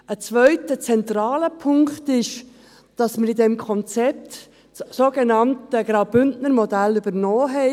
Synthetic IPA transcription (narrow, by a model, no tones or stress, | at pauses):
ət͡svœʏtət͡sɛntrɑːləpʰʊŋktɪʃ | d̥ɑsməɾidɛmkʰɔnt͡sɛp̚t | soːɡ̥enɑntəɡɾaʊbʏndnəɾmɔdælybəɾnɔːɦɛɪ